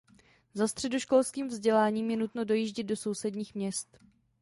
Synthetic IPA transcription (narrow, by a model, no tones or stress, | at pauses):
zast̪r̝̥ɛdoʃko̞lskiːmvzɟɛlaːɲiːmjɛnut̪no̞do̞jiːʒɟɪd̪̚do̞so̞wsɛdɲiːxmɲɛst̪